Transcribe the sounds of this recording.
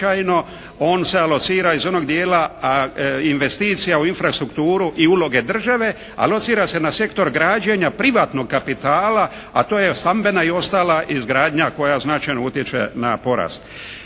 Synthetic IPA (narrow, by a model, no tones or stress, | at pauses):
ajno̞ | o̞ːnse̞alo̞t̪siːɾaizo̞no̞ɡd̪jeːla | inʋe̞st̪iːt̪sijauinfɾast̪ɾukt̪uːɾuʔiulo̞ɡe̞d̪r̩ʒaʋe̞ | a̰lo̞t̪siːɾase̞nase̞kt̪o̞ɾɡɾaːd͡ʑeɲapɾiʋaːt̪no̞ɡ̚kapit̪aːla | a̰t̪oːjest̪ambe̞naio̞st̪aːlaʔizɡɾaːd̪ɲako̞jaznat͡ʃajno̞ut̪jet͡ʃḛnapo̞ɾa̰ːst̪